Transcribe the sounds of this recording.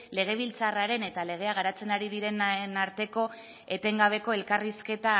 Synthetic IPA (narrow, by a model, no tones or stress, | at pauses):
le̞ɣ̞e̞β̞ilt͡saraɾe̞ne̞t̪ale̞ɣ̞e̞aɣ̞aɾat͡se̞naɾiðiɾe̞nnaɾt̪e̞ko̞ | e̞t̪e̞ŋɡaβ̞e̞ko̞e̞lkariske̞t̪a